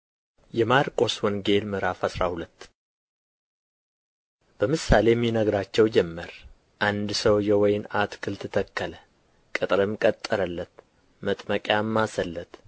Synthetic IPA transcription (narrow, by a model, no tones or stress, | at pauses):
jɛmaɾkʼo̞swɔnɡe̞lmɨɾafasɾahulət̪ː | b̥əmɨsale̞mːinəɡɾat͡ʃːɛwd͡ʒɛmːəɾ | ʔand̪səwjɛwɔjɪnat̪kʰɨlt̪ʰɨt̪ʰəkːələ | kʼɨt̪ʼɾɨmkʼət̪ʼːəɾəlːət̪ | mət̪ʼməkʼjamːasəlːət̪